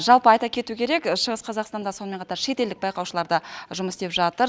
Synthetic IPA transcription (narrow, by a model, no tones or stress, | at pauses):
ʒɑlˠpəɑjt̪ɑkʲʰe̞t̪ukʲʰeɾe̞kʃəʁəsqʰɑzɑqst̪ɑnd̪ɑso̞nmeɴqʰɑt̪ɑɾʃe̞t̪e̞ld̪ɪk̚bɑjqɑwʃəlˠɑɾd̪ɑʒʊməsd̪epʒɑt̪əɾ